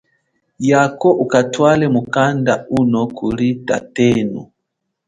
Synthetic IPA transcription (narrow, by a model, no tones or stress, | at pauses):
jakɔʔukatwalɛmukandaunɔkʰulita̰tɛnu